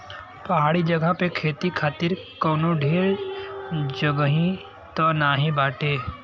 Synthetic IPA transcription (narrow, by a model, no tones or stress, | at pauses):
pɐɦaːɽid͡ʒəɡəpekʰeːt̪ikʰaːt̪ɪɾ | kɔːnõɖʱeːɾ | d͡ʒəɡɦĩ | t̪ɔːnaːɦĩbaːʈeː